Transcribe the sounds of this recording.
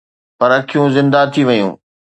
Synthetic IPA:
pɐɾɐkʰijũzɪ̃nd̪at̪ʰiʋɐjṵ̃ː

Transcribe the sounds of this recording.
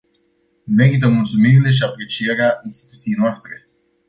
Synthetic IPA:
me̞ɾit̪̬əmult̪sumiɾile̞ʃ̬iapɾe̞t͡ʃije̞ɾeaʔinst̪i̥t̪ut̪sijejnoast̪ɾe̞

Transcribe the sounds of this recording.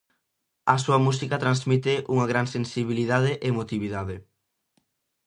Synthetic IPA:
ɐsuɐmusikat̪ɾanzmit̪ɪʔuŋaɣɾansensiβ̞iliðaðɪʔemot̪iβ̞iðaðɪ

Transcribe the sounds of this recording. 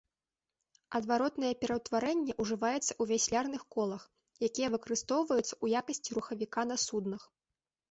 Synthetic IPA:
ɐd̪vaɾɔt̪nɐjɛpʲɛɾɐwt̪vaɾɛnʲːɛʔuʐɨvajɛt̪sːɐuvʲasʲlʲarnɨxkɔlˠɐx | jakʲijɐvɨkɐɾɨst̪ɔwvɐjut̪sɐujakɐsʲt͡sʲiɾuxɐvʲikan̪ɐsud̪nɐx

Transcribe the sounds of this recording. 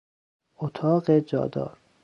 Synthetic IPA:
ʔot̪ʰɒːɢed͡ʒɒ̰ːd̪ɒ̰ːɾ

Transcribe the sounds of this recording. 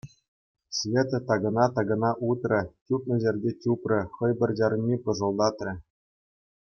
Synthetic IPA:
svʲet̪ɤ̆t̪ɑɡɤ̆nɑt̪ɑɡɤ̆nɑʔut̪rʲɘ̆tʲupnɤ̆ʑʲerʲdʲetʲuprʲɘ̆χɤ̆jbʲɘ̆rʲd͡ʑɑɾɤnʲːipɤ̆ʐɤ̆lˠd̪ɑt̪rʲɘ̆

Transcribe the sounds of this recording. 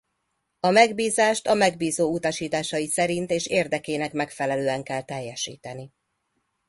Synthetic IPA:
ɒmɛɡbiːzaːʃt̪ɒmɛɡ̚biːzoːut̪ɒʃiːt̪aːʃɒjisɛɾint̪eːʃerd̪ɛkeːnɛkmɛkfɛlɛløːɛŋkɛlt̪ɛjːɛʃḭːt̪ɛni

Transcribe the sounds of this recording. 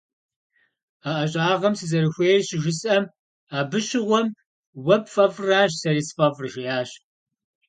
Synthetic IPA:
aʔɐɕʼaːʁɐmsɨzɐɾɨxʷeːjrɕɪʒʷɪsʼɐm | aːbɨɕɪʁʷɔm | wɐpfʼɐvraːɕsɐɾispʼɐvrɨʒɐjaːɕ

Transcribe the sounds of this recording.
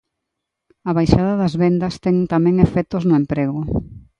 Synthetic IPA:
ɐβajʃaðɐðɐzβɛnd̪ɐst̪ɛŋt̪amɛ̃ŋefɛt̪oznʊempɾeɣʊ

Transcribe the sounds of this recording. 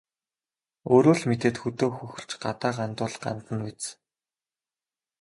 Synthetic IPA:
oːɾoːɮmet̪eːt̪xɵt̪oːxɵxɵ̆ɮt͡ɕɢat̪aːʁant̪ʊːɮɢa̰nt̪ə̆nwet͡s

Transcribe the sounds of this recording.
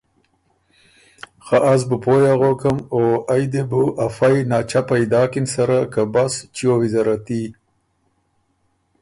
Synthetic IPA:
xaʔazbupojaɣokamoajd̪ebuʔafajnɑːt͡ʃapajd̪ɑːkɪnsaɾakabast͡ʃiowizaɾat̪i

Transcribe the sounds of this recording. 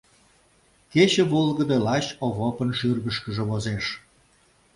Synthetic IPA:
ket͡ɕə̆βolɣəd̪əlɑt͡ɕoβopənʃyrɣəʃkəʒə̆βozeʃ

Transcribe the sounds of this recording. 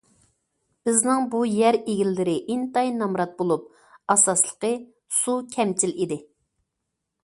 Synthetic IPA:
b̥ɪznɪŋbujæɾeɡʲilːɪɾɪʔint̪ɑjnɑmɾɑt̪̚bolˠup̚ | ɑsɑslˠə̥qə | sukʲʰɛmt͡ʃʰilid̪ɪ

